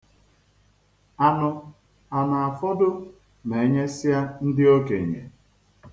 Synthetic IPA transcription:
a˨nʊ˨ | a˨na˨a˨fɔ˦dʊ˦ | ne˨˦ɲe˦sɪ˦a˦n̩˦dɪ˦o˦ke˨ɲḛ˨

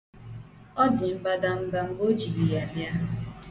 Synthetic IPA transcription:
ɔ˦dɪ˨m̩˦ba˦da˦m̩˦ba˦m̩˦bo˦d͡ʒi˨ɡi˨ja˨m˦a˦

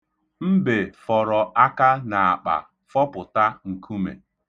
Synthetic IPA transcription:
m̩˦be˨fɔ˨ɾɔ˨ʔa˦ka˦na˨a˨k͡pa̰˨ | fɔ˦pʊ˨ta˦ŋ̩˨kʰu˦mḛ˨

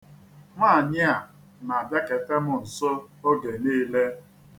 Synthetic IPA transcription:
ma˦˨ɲɪ˦a˨ | na˨ba˦ke˨te˦mʊ˨n̩˨so˦o˦ɡe˨niː˦le˦

